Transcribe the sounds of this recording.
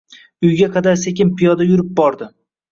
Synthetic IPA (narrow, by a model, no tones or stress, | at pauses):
ʊjɡʲaqʰɑd̪aɾsekʲɪnpijɒd̪ajʊɾɪp̚bɒɾd̪ɪ